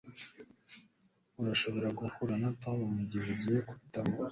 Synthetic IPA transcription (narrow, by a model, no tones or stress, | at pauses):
uɾaʃo̞βo̞ɾaɡuhuɾanatʰomumuɟiβuɟijeku̥tamo